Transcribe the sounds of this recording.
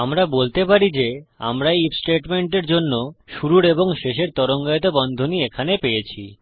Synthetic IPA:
amɾabolt̪epaɾid͡ʑea̰mɾaeipsʈeʈmeɳʈeɾd͡ʑonːoʃuɾuɾeboŋʃeʃ̬eɾt̪ɔɾoŋɡajot̪̬obɔnd̪ʱoniekʰanepejet͡ɕʰi

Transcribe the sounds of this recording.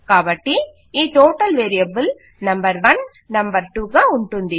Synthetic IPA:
kabɐʈːi | iʈoːʈːɐlʋeːɾiɐbɯl | nɐmbɐɾʋɐn | nɐmbɐɾʈuɣɐʊɳʈɯnd̪i

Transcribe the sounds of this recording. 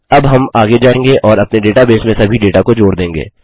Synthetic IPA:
ɐbɦɐmaːɡed͡ʒaːẽːŋɡeʔɔːɾɐpneɖeːʈabeːsmẽsɐbʱiɖeːʈakod͡ʒoːɽɾd̪ẽːŋɡḛː

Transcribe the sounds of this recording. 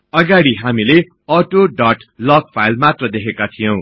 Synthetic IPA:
ʌɡaɽiɦamile | ʌʈoɖʌʈlʌɡ̚pʰajlmat̪rʌd̪ekʰekat̪ʰijow̃

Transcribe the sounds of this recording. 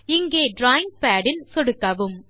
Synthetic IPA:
ɪŋɡeːɖɾaːjɪŋɡ̚paːɖɪnsɔɽɯkːɐʋɯm

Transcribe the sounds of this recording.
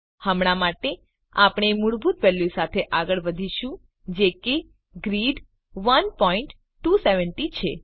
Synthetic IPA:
həmɽ̃amaʈe | apɳ̃emuɭbʱut̪̚pɛlːisat̪ʰeʔaɡəɭʋəd̪ʱiʃũ | d͡ʒeke | ɡɾiɖ | ʋənpɔiɳʈː | useʋəɳʈit͡ʃʰe

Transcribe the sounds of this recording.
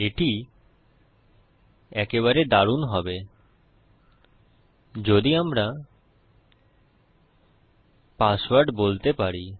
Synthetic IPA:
eʈi | ɛkeβaɾed̪aɾunɦɔbe | d͡ʑod̪iamɾa | paswaɾɖbolt̪epaɾi

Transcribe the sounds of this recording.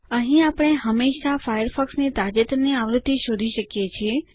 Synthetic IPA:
əɦĩapəɳ̃eɦəmːeʃafajəɾfɔksnit̪ad͡ʒət̪niaʋɾəd̪ʱːiʃod̪ʱiʃəkjet͡ʃʰie

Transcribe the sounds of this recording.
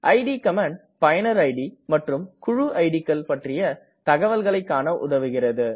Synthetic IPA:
ʔɐɪɖikɐmaːɳ | pɐjɐnɐɾɐɪɖimɐʈrɯmkʊɻuʔɐɪɽikːɐlpɐʈrɪjɐ | t̪ɐɣɐʋɐlɣɐɭɐɪkːaːnɐʔʊ̰ðɐʋɯɣɪrɐðɯ

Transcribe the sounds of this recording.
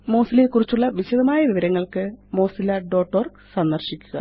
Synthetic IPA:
mo̞ːsilelkurit͡ɕːuɭːɐʋiɕɐðɐmaːjɐʋiʋɐɾɐŋːɐɭkɨmo̞ːsilaːɖo̞ːʈːo̞ːrɡ | sɐnd̪ɐrɕikʲːuɣɐ̰

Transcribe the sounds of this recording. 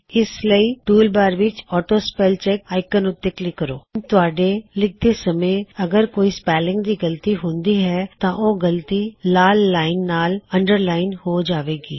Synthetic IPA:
ɪsləiːʈuːlbaːɾʋɪt͡ʃɔːʈoːspɛːlt͡ʃɛkaːɪkənoːt̪ɪːklɪkːəɾoːt̪ʊaːɖeːlɪk̚ʰd̪eːsəmẽːəɡəɾkoːiːspɛːlɪ̃ŋɡd̪iːɡəlt̪iːɦʊ̃nd̪iːɦɛːt̪ãːʔoːɡəlt̪iːlaːlːaːɪnːaːləɳɖəɾlaːɪnhoːd͡ʒaːʋeːɡḭː

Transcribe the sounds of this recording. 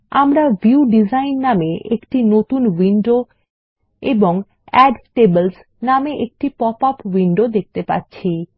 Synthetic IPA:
amɾavʱiuɖid͡ʑajnːameekʈinot̪unwiɳɖo | eboŋ | ɛɖʈebels | nameʔek̚ʈipɔpapwiɳɖod̪ek̚ʰt̪epa̰tːɕʰi

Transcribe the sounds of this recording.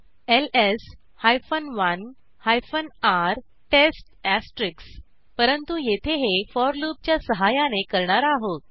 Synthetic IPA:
eles | hajfənʋən | hajfənaɾ | ʈesʈæsʈɾiks | pəɾənt̪ujet̪ʰeɦefɔɾlup̚t͡ɕjasəɦajanekəɾɳaɾaɦo

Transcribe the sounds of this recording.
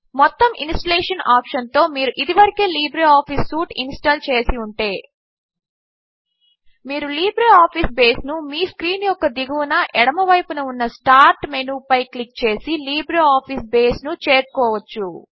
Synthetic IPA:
mɔt̪ːɐmʔinsʈɐleːʂɐnaːpʂɐnt̪o̞ːmiːɾuʔid̪iʋɐɾikeːliːbɾeaːpʰisːuːʈinsʈɐlt͡ʃe̞ːsiuɳʈe̞ː | miːɾuliːbɾeaːpʰisbeːsnumiːskɾiːnjɔkːɐd̪iɡɐunɐʔɛɽɐmɐʋɐjpunɐunːɐsʈaːɾʈmenuːpɐjklik̚t͡ʃe̞ːsiliːbɾeaːpʰisbeːsnut͡ʃe̞ːɾkɔːʋɐt͡ʃːu

